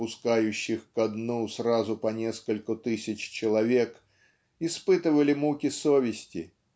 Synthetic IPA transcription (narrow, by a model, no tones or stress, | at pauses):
ʊskajʉɕːɪxkɐd̪nusrazʊpɐnʲe̞skəlʲkʊt̪ɨsʲɪt͡ɕt͡ɕɪlˠɐvʲe̞k | ɪspɨt̪ɨvəlʲɪmukʲɪsovʲɪsʲtʲɪ̰